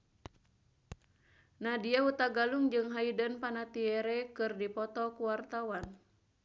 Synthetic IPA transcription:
nahdiaut̪aɡaluŋd͡ʒɨŋɦaidənpanat̪iɛɾɛkɨrdipɔt̪ɔkuwart̪awan

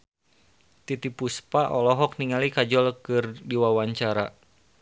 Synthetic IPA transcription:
t̪it̪ipuspaʔɔlɔɦɔk̚niŋalikad͡ʒɔlkɨrdiwawaɲt͡ʃaɾa

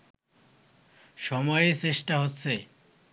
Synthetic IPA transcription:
ʃɔmɔeet͡ɕɾeʃʈaɦotːɕʰe

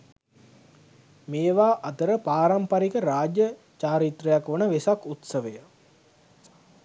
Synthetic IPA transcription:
meːʋaːʔɐt̪əɾəpaːɾampaɾikəɾaːd͡ʒjə | t͡ʃaːɾit̪rəjakʋonəʋesakut̪səʋəjə

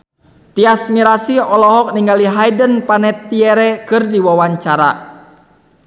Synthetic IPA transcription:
t̪iasmiɾasiɔlɔɦɔk̚niŋɡaliɦajdənpanɛt̪ːiɛɾɛkɨrdiwawaɲt͡ʃaɾa̰

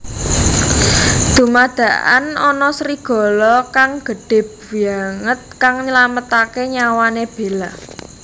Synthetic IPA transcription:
d̪̥ṳmad̪̥ä̤ʔa̰nɔnɔsɾiɡ̥ɔ̤lɔkaŋɡ̥ə̤ɖ̥ɪ̤p̚wiaŋət̪̚kaŋɲəlamət̪akeɲawaneb̥e̤la

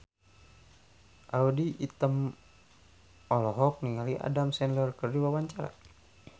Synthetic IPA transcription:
ʔaudiʔit̪əm | ɔlɔɦɔk̚niŋaliʔa̰damsɛnlərkərdiwawaɲt͡ʃaɾa̰

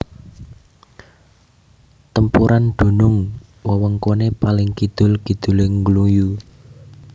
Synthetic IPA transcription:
t̪əmpuɾʔanɖ̪̥o̤nʊŋ | wɔwɔŋkonepalɪŋkid̪̥ʊ̤lkid̪̥ṳlɪŋɡluju

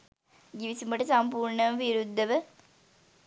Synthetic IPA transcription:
ɡiʋisumbɐʈɐsɐmpuːɾɳɐʋʋiɾud̪ʱːɐʋə

